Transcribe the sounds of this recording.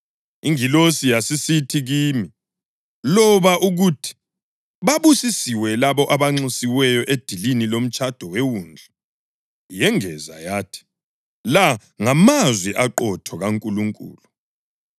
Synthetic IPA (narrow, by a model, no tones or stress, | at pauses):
iŋilosijasisitʰiɣiːmi | lɔβaʔuɣutʰi̥ | βaβusisiwɛlaβɔʔaβaŋ͡ǀisiwɛjɔʔed̥ʱilinilom̩t͡ʃʼad̥ʱɔwewuːnd͡ɮʱɛ | jɛŋɛza̰jaːtʰi̥ | la | ŋamazwiʔaǃɔtʰɔɣaŋkʼuluŋkʼṵːlu